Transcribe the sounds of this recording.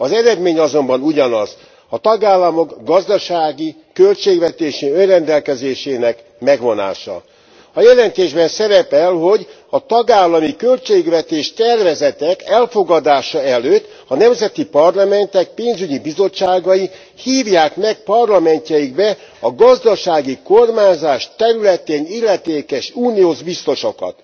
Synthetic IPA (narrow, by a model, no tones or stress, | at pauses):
ɒzɛɾɛd̪meːɲɒzo̞mbɒnuɟɒnɒz̥ | ɒt̪ɒɡaːlːɒmo̞ɡɡɒzd̪ɒʃaːɡi | kø̞lt͡ʃeːɡʋɛt̪eːʃiønrɛnd̪ɛlkɛzeːʃeːnɛk | mɛɡʋo̞na̰ːʃɒ̰ | ɒjɛlɛnt̪eːʒbɛnsɛɾɛpɛlɦo̞ɟ | ɒt̪ɒɡaːlːɒmikølt͡ʃeːɡvɛt̪eːʃt̪ɛrvɛzɛt̪ɛkɛlfo̞ɡɒd̪aːʃɒɛløːt̪ː | ɒnɛmzɛt̪ipɒrlɒmɛnt̪ɛk̚peːnzyɟibizo̞t͡ʃːaːɡɒji | hiːvjaːkmɛk̚pɒrlɒmɛɲcɛjiɡbɛ | ɒɡɒzd̪ɒʃaːɡiko̞rmaːɲzaːʃt̪ɛɾylɛt̪eːnilːɛt̪eːkɛʃuːnioːʒbist̪o̞ʃokɒ̰t̪